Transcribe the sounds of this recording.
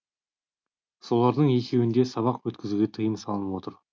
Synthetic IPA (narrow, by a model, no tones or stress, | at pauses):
so̞lˠɑɾd̪əɴe̞kʲʰe̞wɪnd̪e̞sɑβɑqwɵt̪kʲɪzuɡʲet̪ʰəjənsɑlˠənəpwo̞t̪əɾ